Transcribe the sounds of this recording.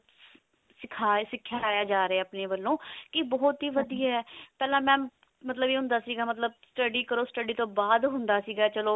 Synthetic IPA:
sɪkʰaːsɪkʰːjaːjaːd͡ʒaːɾeɛːəpneːʋəlːõːkɪbɔːt̪ɦiːʋəd̪ijaːɦɛːpɛːlãːmɛ̃ː | mət̪̬ləbiːɦʊ̃nd̪aːsiːɡaːmət̪ləbsʈəɖiːkəɾoːsʈəɖiːt̪õːbaːd̪ɦʊnd̪aːsiːɡaːt͡ʃəloː

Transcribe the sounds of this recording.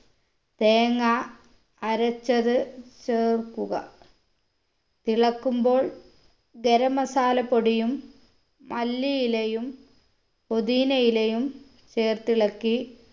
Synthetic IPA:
t̪eːŋaː | ɾɐt͡ɕːɐðɨt͡ɕeːrkːuɣɐ̰ | t̪iɭɐkːumbo̞ːɭ | ɡeɾɐmɐsaːlɐpo̞ɽijumː | ɐlːijilejum | pod̪iːnɐjilejum | t͡ɕeːrt̪iɭɐkːi

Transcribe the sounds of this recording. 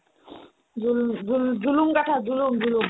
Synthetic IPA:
d͡ʒud͡ʒud͡ʒulumkaʈʰad͡ʒulumd͡ʑulum

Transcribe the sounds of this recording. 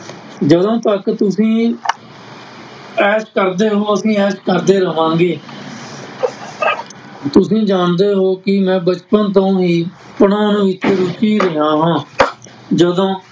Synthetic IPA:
d͡ʒəd̪õːt̪əkt̪ʊsĩː | ɛːskəɾd̪eːɦoːəsĩːɛːskəɾd̪eːɾəɦãːɡeː | t̪ʊsĩːd͡ʒaːnd̪eːɦoːkɪmɛ̃ːbət͡ʃpənt̪̬õːɦiː | pəɳãːnũːʋɪt͡ʃːɾʊt͡ʃiːɾeɦãːɦãː | d͡ʒəd̪õː

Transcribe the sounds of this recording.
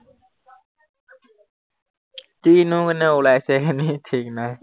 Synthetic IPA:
tinukanɛolasɛkʰanitʰik̚naj

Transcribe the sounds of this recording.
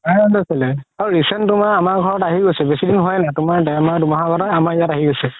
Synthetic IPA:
aɔndɔsɛlɛaɹɹisɛnttʊmaɹamaɹɡʱɔɹɔtaɦiɡojsɛbesidinɦɔjnatʊmaɹdɛamaɹdumaɦaɡʱɔɾɔamaɹjataɦiɡojsɛ

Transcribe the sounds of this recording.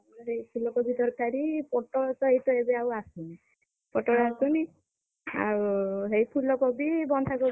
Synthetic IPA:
ɔɦejpʰulɔkɔbid̪ɔɾkaɾipɔʈɔɽɔt̪ɔejt̪ɔebeawasuni | pɔʈɔɽɔasuni | a̰uɦejpʰulɔkɔbibɔnd̪ʱakɔ

